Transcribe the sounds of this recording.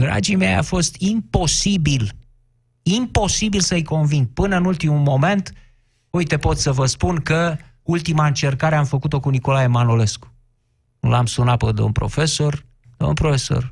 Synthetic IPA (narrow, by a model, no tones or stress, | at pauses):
d̪ɾa̰d͡ʒimeja̰fo̞st̪ʰimpo̞sibil | impo̞sibilsəjko̞nvinɡ̪pɨnəɨnult̪imumo̞me̞nt̪ | ujt̪e̞po̞t̪ssəvəspunkə | ult̪imaɨnt͡ʃe̞rkaɾeamfəkut̪o̞kuniko̞lae̞manole̞sku̥ | ṵlamsunapəd̪o̰npɾo̞̰fe̞so̞r | d̪̥o̰npɾofeso̞̰r